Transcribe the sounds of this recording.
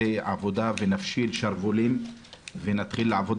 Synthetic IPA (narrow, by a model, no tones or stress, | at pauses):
eʕa̰vo̞d̪avenafʃilʃaʁvulimvenat̪χilːeʕavo̞d̪